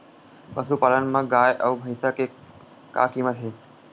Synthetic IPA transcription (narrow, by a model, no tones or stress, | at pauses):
pəsupaːlənmãɡaːjʔɐwbʱəjsəke | ka̰ːkiməd̪ʱɦeː